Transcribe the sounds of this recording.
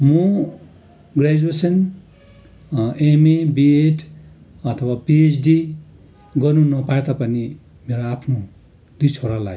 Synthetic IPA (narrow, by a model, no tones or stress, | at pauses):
mu | ɡred͡ʒuesʌn | emebieʈʰ | ʌt̪ʰʌwapiet͡sʰɖi | ɡʌnũnʌpaet̪apʌni | meɾoapʰno | d̪it͡sʰoɾala̰j